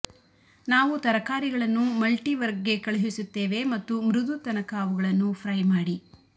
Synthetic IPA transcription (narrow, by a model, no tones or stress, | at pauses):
naːʋut̪ɐɾɐkaːɾiɡɐɭɐnːumɐlʈiʋɐɾɡːe̞kɐɭɐɦisut̪ːe̞ːʋe̞mɐt̪ːumɾud̪ut̪ɐnɐkaːʋuɡɐɭɐnːupʰɾɐjmaːɽi